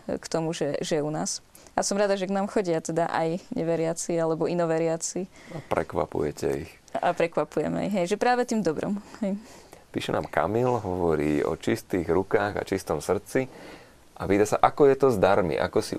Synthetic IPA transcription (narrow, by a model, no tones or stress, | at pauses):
kt̪ɔmuʒɛʒɛjɛunaːs | asɔmɾad̪aʒɛknaːmxɔɟɪat̪ɛd̪aʔa̰jɲɛʋɛɾɪat͡sialɛbɔinɔʋɛɾɪat͡si | apɾɛ̰kʋa̰pṵjɛcɛ̰ix | a̰pɾɛkʋapujɛ̰mɛ̰iɦɛjʒɛpɾaːʋɛt̪iːmd̪ɔbɾɔ̰mɦɛjpiːʃɛnaːmka̰milɦɔʋɔɾiːɔ̰t͡ʃist̪iːɣɾukaːɣa̰t͡ʃist̪ɔmsr̩t͡si | ʔapiːt̪asaʔakɔjɛt̪ɔzd̪aɾmḭʔa̰kɔsḭ